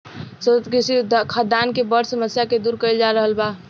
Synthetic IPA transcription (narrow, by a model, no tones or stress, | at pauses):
sət̪ət̪kisid̪kʰad̪ankebəɾsəməsjaked̪uɾkəɪld͡ʒaɾəɦəlba